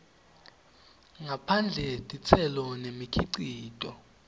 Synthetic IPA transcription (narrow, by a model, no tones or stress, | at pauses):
ŋapʰand͡ɮʱɛd̥ʱʼit͡sʰɛlɔnemikʰiǀiːd̥ʼʱɔ